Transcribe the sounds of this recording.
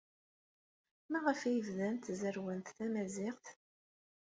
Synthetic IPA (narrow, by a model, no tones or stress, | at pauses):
mæʁəfæjəvðænt̪zəɾwənt̪θæmæzɪʁθ